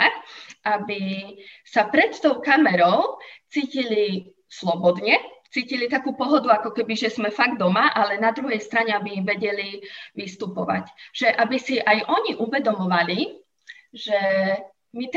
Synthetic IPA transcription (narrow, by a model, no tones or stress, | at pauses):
abisapɾɛt̪t̪ɔʊkamɛɾɔʊt͡siːcili | slɔbɔd̪ɲɛt͡siːcilit̪akuːpɔɦɔd̪uakɔkɛbiʒɛzmɛfaɡd̪ɔmaʔalɛnad̪ɾuɦɛjst̪ɾaɲɛabiʋɛɟɛliʋist̪upɔʋa̰cʒ̥ɛʔabisiʔajʔɔɲiʔuʋɛd̪ɔmɔʋali | ʒɛ | mit̪